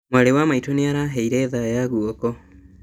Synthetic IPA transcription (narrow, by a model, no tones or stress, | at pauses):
mwaɾewamaitoneaɾaːɦɛiɾɛːðajaɣuɔkɔ